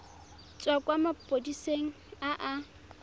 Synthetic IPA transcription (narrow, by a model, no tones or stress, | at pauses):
t͡sʼwakʼwamapʼodiseŋ̩aʔa